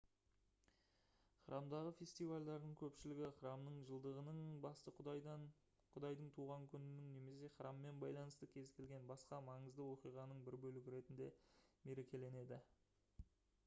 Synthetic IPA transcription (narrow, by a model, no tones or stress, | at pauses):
χɾʔɑmd̪ɑʁəfʲest̪ijvalʲd̪ɑɾd̪əɴkʲʰɵpʃɪlɪɡʲɪχɾɑmnəɴʒəlˠd̪əʁənəɴbɑst̪ə | qʰʊd̪ɑjd̪əɴt̪ʰuʁɑŋkʲʰʏnɪnɪŋne̞me̞se̞χɾɑmːe̞nbɑjlˠɑnəst̪əkʲʰe̞zkʲʰe̞lʲɡʲe̞nbɑsqɑmɑɴəzd̪əwo̞qijʁɑnəɴbɪɾbɵlɪɡʲɪɾe̞t̪ɪnd̪e̞me̞ɾe̞kʲʰe̞le̞ne̞d̪ɪ